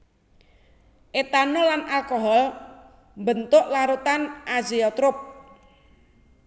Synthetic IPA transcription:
ʔet̪anolanalkoɦɔl | mbənt̪ʊʔlaɾut̪anʔaziɔt̪ɾʊp̚

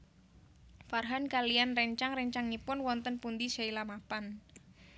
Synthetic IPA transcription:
farɦankalijanrɛɲt͡ʃaŋrɛɲt͡ʃaŋnipʊnwɔnt̪ənpund̪isailamapan

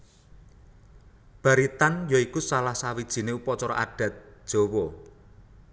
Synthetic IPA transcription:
b̥a̤ɾit̪anjɔikusalahsawid̥ʒ̥i̤neupɔt͡ʃɔɾɔʔaɖ̥ä̤t̪̚ʒ̥o̤wɔ

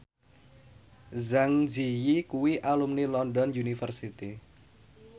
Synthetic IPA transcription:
zaŋzijikuwiʔalumnilɔndɔnjunifərsit̪i

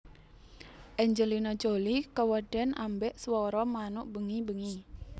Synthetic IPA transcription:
ʔɛɲd͡ʒəlinɔd͡ʒolikəwəɖ̥ɛnʔambɛʔswɔɾɔmanʊʔb̥əŋibəŋi

